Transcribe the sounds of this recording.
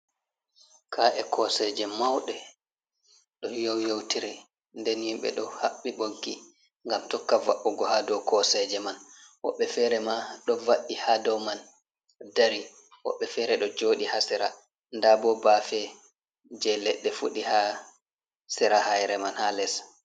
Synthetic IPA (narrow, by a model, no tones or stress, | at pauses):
kʰaʔɛkʰɔsɛd͡ʒɛmawɗɛ | ɗɔjowjowtiɾi | ndɛnjimɓɛ̰ɗɔhaɓːiɓoɡːi | ŋɡamtɔkːava̰ɓːuɡɔhadɔwkɔsɛd͡ʒɛmanwɔ̰ɓːɛfɛɾɛmaɗɔvaɗːihadɔwman | daɾi | wɔ̰ɓːɛfɛɾɛɗɔd͡ʒoːɗihasiɾa̰ | ndabɔbafɛ | d͡ʒɛlɛɗːɛfṵɗiha | siɾahajɾɛmanhalɛs